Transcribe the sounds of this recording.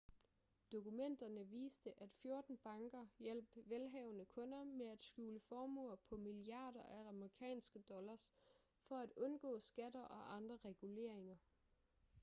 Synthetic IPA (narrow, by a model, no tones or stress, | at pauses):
d̥o̝kumen̰d̥ɐnəʋḭːsd̥əʔæd̥fjo̝ɐd̥n̩b̥ɑ̈ŋɡ̥ɐjel̰b̥ʋelɦɛʊnəkʰɔ̽nɐmeæd̥sɡ̥ṵːləfɒːmɔ̰pʰɒ̽miliɑ̈ːdɐʔæɑməʁikʰɛ̰ːnsɡ̥əd̥ɒ̽lɐs | fɒ̽æd̥ɔ̽nɡ̥ɔ̰ːsɡ̥æd̥ɐʔɒ̽ʔɑ̈nd̥ʁɐʁɛɡ̥ule̝̰ɐ̰e̝ŋɐ